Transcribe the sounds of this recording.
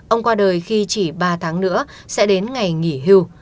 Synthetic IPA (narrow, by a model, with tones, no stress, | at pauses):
ʔə˧wŋ͡mkwaː˧ɗəː˨˩jxi˧t͡ɕi˧˩ɓaː˧t̪ʰaː˨˦ŋnɨ̰˧˥ə | sɛ̰˧˥ɗe˨˦nŋa˨˩jŋi˧˩ɦi˧w